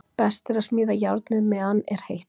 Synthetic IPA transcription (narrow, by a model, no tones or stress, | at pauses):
pɛst̪ɛɾasmiːðajawɾt̪nɪðmɛanːɛɾ̥hejh